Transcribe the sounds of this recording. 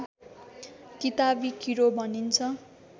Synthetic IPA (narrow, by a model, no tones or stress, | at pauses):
kit̪abikiɾobʱʌnint͡sʰʌ